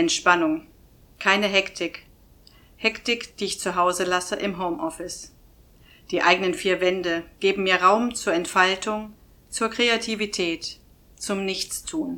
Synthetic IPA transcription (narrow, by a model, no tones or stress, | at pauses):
ʔɛntʃpanʊŋ | kʰaɪnəɦɛktʰɪk | hɛktɪkd̥iːɪçt͡suɦaʊzəlasəʔɪmɦoʊmʔɔfɪs | d̥iːʔaɪɡənənfiːɐvɛndəɡ̥eːbm̩miːɐʁaʊmt͡suːɐɛntfaltʰʊŋ | t͡suːɐkʁ̥eatʰivitʰɛːt | t͡sʊmnɪçt͡stʰuːn